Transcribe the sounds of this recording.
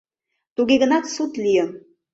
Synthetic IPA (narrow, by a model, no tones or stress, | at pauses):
t̪uɡeɣə̆nɑt̪sut̪lijə̆